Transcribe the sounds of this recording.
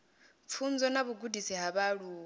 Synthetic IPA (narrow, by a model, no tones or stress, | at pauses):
p̪fʰund͡zɔnaβuɡudisiɦaβaɺuː